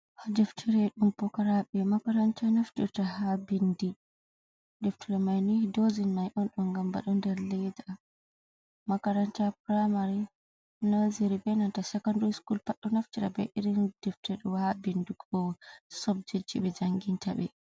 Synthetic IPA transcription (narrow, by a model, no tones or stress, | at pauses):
hadɛftʰɛɾɛɗumpɔkaɾaɓɛmakaɾant͡ʃanaftiɾtahabindi | dɛftiɾɛmajnidozinmajʔɔnɗɔnɡamba̰ɗɔndɛɾlɛda | makaɾant͡ʃapɾamaɾi | naziɾibɛnantasɛkɔndɔskulpaɗːɔnaftiɾa̰bɛ̰ʔiɾind̥ɛftɛɗɔwhabinduɡɔsɔb̚d͡ʒed͡ʒḭɓɛd͡ʒaŋɡintaɓɛ